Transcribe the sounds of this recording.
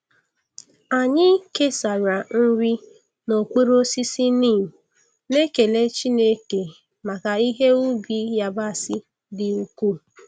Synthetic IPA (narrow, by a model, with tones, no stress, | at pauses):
a˨ɲɪ˦ke˦sa˨ɾa˨n̩˦ɾi˦ | no˨kʷe˦ɾo˦si˦si˦niː˦˨ | ne˦ke˨le˦t͡ʃi˦ne˦ke˨ | ma˨ka˨i˦ɦe˦u˦bi˦ja˨ba˦˨sɪ˦ | dɪ˨u˦ku˦